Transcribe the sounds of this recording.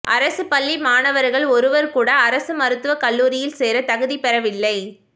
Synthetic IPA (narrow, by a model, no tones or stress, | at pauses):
ʔɐ̰ɾɐsɯpɐlːimaːnɐʋɐɾɣɐɭɔɾɯʋɐɾkuːɽɐːɾɐsɯmɐɾɯt̪ːɯʋɐkɐlːuːɾɪjɪlseːɾɐt̪ɐɣɯðipɛɾɐʋɪlːɐɪ